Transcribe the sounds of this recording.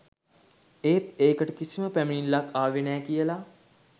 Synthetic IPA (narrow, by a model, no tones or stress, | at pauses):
eːt̪eːkəʈkisiməpɛmniːnlakaːʋenɛːkijəla